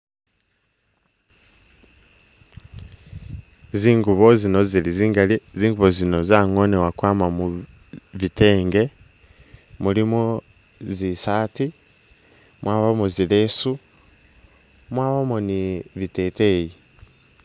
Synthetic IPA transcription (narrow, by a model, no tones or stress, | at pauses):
ziːŋɡuβozino̞ziliziːŋɡaleziːŋɡuβozino̞zaŋonewakwaːmamu | βiteːŋɡe̞ | mulimo | zisaːti | mwaːβamozilesu | mwaːβamoniβiteːteji